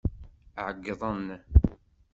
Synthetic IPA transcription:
ʕəɡːəðˤənː

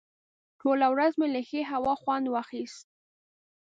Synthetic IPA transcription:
ʈolawɾazmeləxeɦawɑxwand̪waxist̪̚

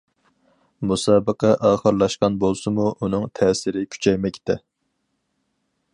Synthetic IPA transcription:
musɑːbəqʰɑʔɑːχəɾlˠɑʃqɑnbolˠsɨmuʔunɨŋt̪ʰɛːsɪɾɪkʲʰy̥t͡ʃʰɛjmɛkʲt̪ʰɛ

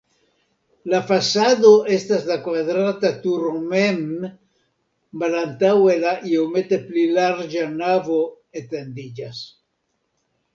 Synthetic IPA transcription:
lafasad̪o̞ʔe̞staslakvadɾatat̪uɾmem | malant̪awe̞laʔiome̞t̪e̞plilaɾd͡ʒanavo̞ | et̪end̪id͡ʒas

